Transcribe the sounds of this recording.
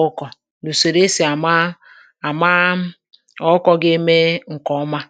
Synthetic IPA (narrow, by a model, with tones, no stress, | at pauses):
kɔ˨ | nu˨so˨ɾe˦si˨a˨˦ | a˨ma˦ | ɔ˦kɔ˦ɡe˦me˦ŋ̩˨kɔ˦ma˦